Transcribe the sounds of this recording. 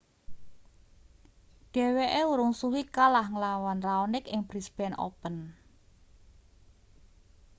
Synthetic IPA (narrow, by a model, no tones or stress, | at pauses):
ɖ̥ɛ̤weʔeuɾʊŋsuwikalahŋəlawanraonɪkɪŋb̥ɾisb̥ɛno̰pən